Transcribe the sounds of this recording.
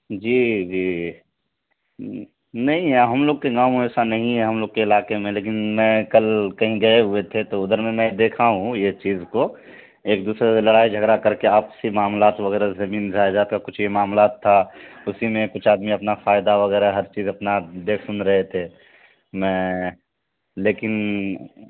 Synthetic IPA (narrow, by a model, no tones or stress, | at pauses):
d͡ʒiːd͡ʒiː | nɐɦĩaːɦɐmloːɡ̚keɡãːɛːsanɐɦĩɦɛɦɐmloːɡ̚keɪlaːkemẽleːkɪnmɛ̃kɐlkɐɦĩɡɐeɦʊet̪ʰet̪oʊd̪əɾmẽmɛ̃d̪eːkʰaɦũjet͡ʃiːzko | eːk̚d̪uːsɾelɐɽaːid͡ʒʱɐɡɾakɐɾkeaːpsimaːmlaːt̪ʋɐɣɛːɾazɐmiːnzaːd͡ʒaːt̪̚kakʊt͡ʃʰjemaːmlaːt̪ʰːaʊsimẽkʊt͡ʃʰaːd̪miɐpnafaːɪd̪aʋɐɣɛːɾaɦɐɾt͡ʃiːzɐpnad̪eːkʰsʊnɾɐɦet̪ʰeː | mɛ̃ː | leːkɪn